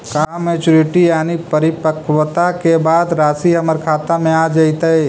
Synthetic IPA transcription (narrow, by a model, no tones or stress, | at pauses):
kaːmeːt͡ʃʊɾɪʈijaːnipəɾɪpəkwət̪akebaːd̪ɾaːsiɦɐməɾkʰaːt̪amẽaːd͡ʒɐit̪aɦeː